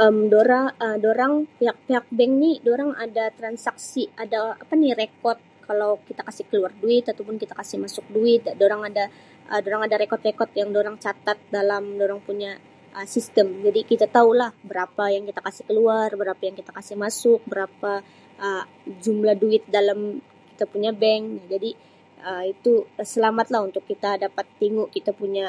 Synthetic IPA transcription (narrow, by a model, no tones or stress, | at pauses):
ʔəmdoɾaədoɾaŋpeɦak̚peɦak̚bɛŋnidoɾaŋadat̪ɾansaksiadaapanɪrekɔt̪̚kalawkit̪akasɪhkəluarduɪt̪at̪awpʊnkit̪ḁkasɪhmasʊk̚duɪt̪̚doɾaŋada | ʔədoɾaŋadaɾekɔt̪rekɔt̪̚jaŋdoɾaŋt͡ʃat̪at̪̚dalamdoɾaŋpuɲa | ʔəsist̪əmd͡ʒadikit̪at̪aulahbəɾapajaŋkit̪akasɪhkəluarbəɾapajaŋkit̪akasɪhmasʊk̚bəɾapa | ʔə | d͡ʒumlahduɪt̪̚dalam | kit̪apuɲabɛŋnad͡ʒadi | əit̪usəlamat̪lahunt̪ʊkːit̪adapat̪ːiŋʊʔkit̪apuɲa